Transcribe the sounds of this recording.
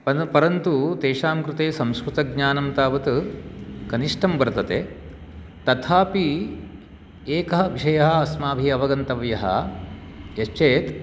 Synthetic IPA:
pɐpɐɾɐnt̪ut̪eːʂaːmkɾut̪eːsɐmskɾut̪ɐɡ̚ɲaːnɐmt̪aːʋɐt̪ | kɐniʂʈʰɐmbɐɾd̪ɐt̪eː | t̪ɐt̪ʰaːpi | eːkɐɦɐʋiʃɐjɐɦɐ̆ɐsmaːbʱiɐʋɐɡɐnt̪ɐʋjɐɦɐ̰ | jɐst͡ʃeːt̪

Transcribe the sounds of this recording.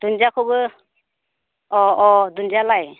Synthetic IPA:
d̪̥und͡ʒakʰɔbɯ | ɔɔdund͡ʒalaj

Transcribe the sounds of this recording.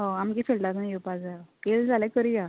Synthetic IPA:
ɦə̃amkiːfelʈat̪najopad͡zakeld͡zʱalɛ̃kəɾia

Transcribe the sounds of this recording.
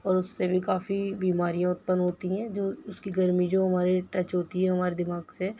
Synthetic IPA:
ɔːɾʊsːebʱikaːfibiːmaːɾijãʊt̪̚pənɦoːt̪iɦɛ̃d͡ʒoːʊskiɡɐɾmid͡ʒoːɦɐmaːɾeʈɐt͡ʃɦoːt̪iɦɛɦɐmaːɾed̪ɪmaːɡse

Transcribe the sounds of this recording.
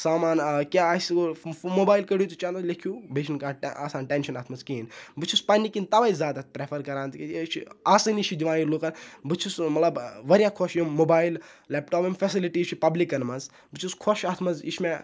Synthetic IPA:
saːmaːnkʲaːsmobaːjlkɐɽjut̪ut͡ʃand̪ɐlekʰjuːbeʃʰnkaːʈʔaːsaːnʈenʃɐnaːt̪ʰmɐzkiːnbɨt͡ʃʰuspɐnːikint̪ɐʋaizʲaːd̪ɐt̪̚pɾefʰɐɾkɐɾãːnt̪kit͡ʃʰaːsɨnit͡ʃʰid͡ʒiʋaːjilukɐnbɨt͡ʃʰusmɐt̪lɐbʋɐɾjaːkʰoʃjomːoːbaːillepʈoːpimfɐsiliʈiːt͡ʃʰipɐblikɐnmɐz | bɨt͡ʃʰuskʰoʃaːt̪ʰmɐzit͡ʃʰme

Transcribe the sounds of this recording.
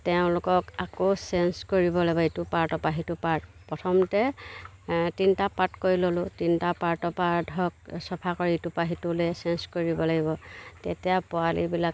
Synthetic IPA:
tɛʊ̃lʊkɔkakosɛnskoɹibɔlaɡibɔetupaɹtɔpaɦitupaɹtpɹɔtʰɔmtɛ | tintapatkoɹilolʊtintapaɹtɔpaɹdʱɔk̚sɔpʰakɔɹitupaɦitulɛsɛnskoɹibɔlaɡibɔtetijapʊalḭbilak

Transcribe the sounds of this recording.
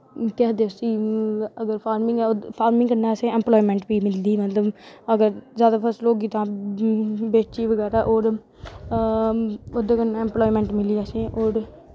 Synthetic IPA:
t̪aːd̪eːsiːəɡəɾpʰaːɾmɪŋɡɛːpʰaːɾmɪ̃ŋɡkəɾnɛ̃ːsẽːɛ̃mploːimɛ̃ːɳʈbiːmɪld̪iːmət̪ləbəɡəɾzjaːd̪aːpʰəsloːɡiːt̪ãː | beːt͡ʃiːʋəɡɛːɾaːʔoːɾ | od̪ekəɾnãːɛ̃ːmploːimɛ̃ːɳʈmɪliːasẽːʔoːɾ

